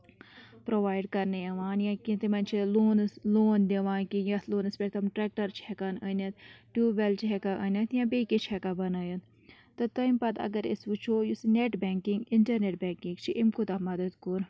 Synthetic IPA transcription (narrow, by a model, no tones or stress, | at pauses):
pɾoʋaːjɖkɐɾnejɐʋaːnjãkit̪imɐnʲt͡ʃʰiloːnsloːnd̪eʋaːnkijɐsloːnɐspʲeʈt̪ɐmʈɾɛk̚ʈɐɾt͡ʃʰihɛkaːnənɐt̪ʈuʋelt͡ʃʰiɦɛkaʔənʲɐt̪jãbeːket͡ʃʰhɛkabɐnaːjɐt̪ | t̪ɨt̪ɐjmpɐt̪ɐ̰ɡɐɾisʋut͡ʃʰoːjusineʈbɛːŋkiŋɡɪɳʈɐɾneʈ̚bɛːŋkĩŋɡt͡ʃʰiʔimkut̪ɐmɐd̪ɐd̪kuɾ